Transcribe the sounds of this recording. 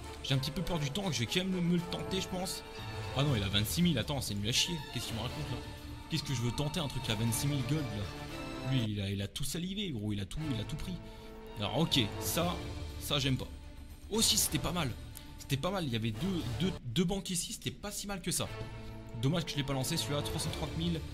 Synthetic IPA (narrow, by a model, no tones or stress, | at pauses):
ʒ̥eɛ̃pət̪ipøpœʁd̪yt̪ɑ̃kəʒəɛkmɛməməlt̪ɑ̃t̪eʒəpɑ̃s | anɔ̃ilavɛ̃t̪similat̪ɑ̃sɛnylaʃjekʲɛskʲilməʁakɔ̃t̪la | kʲɛskəʒəvøt̪ɑ̃t̪eɛ̃t̪χykʲːavɛ̃nt̪similɡɔd̪lalɥiːlailat̪usaliveɡʁoilat̪uilat̪upχi | alɔ̰ʁɔkʲesasaʒɛmpa̰ | osise̥t̪ɛpamal | se̥t̪ɛpamaljavɛd̪ød̪ød̪øbɑ̃kisise̥t̪ɛpasimalkəsa | d̪ɔmaʒ̥kəʒəlɛpalɑ̃sesylat̪χwasɑ̃t̪χɑ̃t̪mil